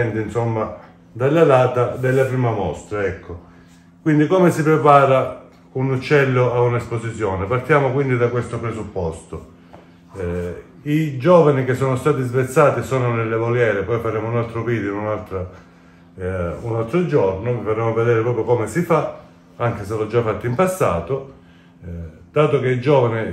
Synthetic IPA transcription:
ɛnd̪insɔmːa | d̪alːalaːt̪ad̪elːapɾiːmamɔst̪ɾaɛkʰːo | kwind̪ikoːmesipɾepaːɾa | unut͡ʃːɛlːoaunespozit̪sjɔːnepart̪jaːmokwind̪id̪akwest̪opɾesupːɔst̪o | id͡ʒɔːvanik̟esːɔːnost̪aːt̪izvet̪sːaːt̪isoːnonelːevoljɛːɾepɔjfaɾeːmounalt̪ɾoviːd̪inunalt̪ɾa | unalt̪ɾod͡ʒɔrnovifaɾemoved̪ɛːɾepɾɔːpɾjokomesifa | aŋk̟eselɔd͡ʒːafːat̪ːiimpasːaːt̪o | d̪̥aːt̪okeid͡ʒɔːvani

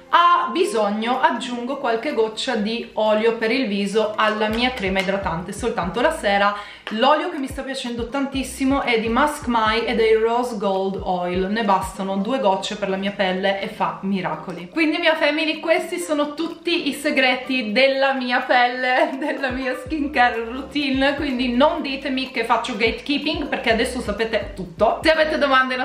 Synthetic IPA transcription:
abizoɲːoʔad͡ʒːuŋɡokwalkeɡɔt͡ʃːad̪iɔːljopeɾilviːzoalːamiːakɾɛːmaed̪ɾat̪ant̪esolt̪ant̪olasɛːɾa | lɔːljok̟emːist̪apːjat͡ʃɛnd̪ot̪ant̪isːimoʔɛd̪ːimaskmajed̪ejrɔzɡold̪ɔjlnebast̪anod̪uːeɡɔt͡ʃːeperlamiːapɛlːeʔefːamiɾa̰ːkolikwind̪imiafɛmːilikwest̪isoːnot̪ut̪ːiʔiseɡɾɛːt̪id̪elːamiːapɛlːed̪elːamiːaskiŋkɛrrut̪inkwind̪inond̪iːt̪emikefːat͡ʃːoɡejt̪kiːpiŋɡperkead̪ɛsːosapeːt̪et̪ut̪ːoseaveːt̪ed̪omand̪en

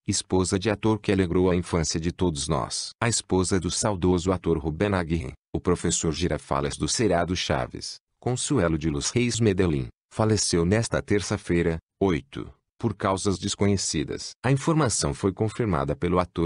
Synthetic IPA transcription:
ɪspozɐd͡ʒɪat̪oɾkɪaleɡɾowɐĩfɐ̃siɐd͡ʒɪt̪od̪ʊznɔ̰sɐispozɐd̪ʊsawd̪ozʊat̪oɾɦubɛnaɡihḭ̃ʊpɾofesoɾʒiɾafa̰lɐzd̪ʊseɾiad̪ʊʃa̰vɪ̰s | kõsuɛlʊd͡ʒɪlushejzmed̪elḭ̃ | falesewnɛst̪ɐt̪eɾsɐfejɾɐ | ojt̪ʊ̰ | poɾkawzɐzd͡ʒɪskõɲesid̪ɐ̰sɐĩfoɾmasɐ̃w̃fojkõfiɾma̰d̪ɐpelʊat̪oɾ

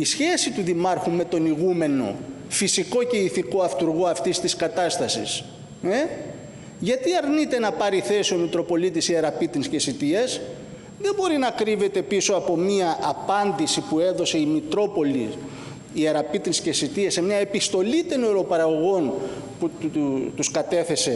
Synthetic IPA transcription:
isçe̞sit̪uðimɐɾxume̞t̪o̞niɣume̞no̞̰ | fisiko̞ce̞iθiko̞ɐft̪uɾɣo̞ɐft̪ist̪iskɐt̪ɐst̪ɐsḭs | e | ʝɐt̪iɐɾnit̪e̞nɐpɐɾiθe̞sio̞mit̪ɾo̞po̞lit̪isieɾɐpit̪inscesit̪iɐs | ðe̞mbo̞ɾinɐkɾive̞t̪e̞piso̞ɐpo̞miɐʔɐpɐnd̪isipue̞ðo̞se̞imit̪ɾo̞po̞lḭ | ieɾɐpit̪inscesit̪iɐsemɲɐe̞pist̪o̞lit̪enoɾo̞pɐɾɐɣo̞ɣo̞nput̪uskɐt̪e̞θe̞se̞

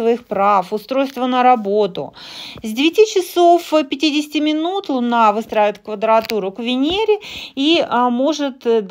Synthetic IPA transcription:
vɐixpɾafʊst̪ɾo̞jst̪vənəɾɐbo̞t̪ʊ̰zʲdʲɪvʲɪtʲit͡ɕɪsofpʲɪtʲidʲɪsʲɪ̥tʲɪmʲɪnut̪lˠʊnavɨst̪ɾaɪvɪt̪kvəd̪ɾɐt̪uɾʊkvʲɪnʲeɾʲɪimo̞ʐɨt̪

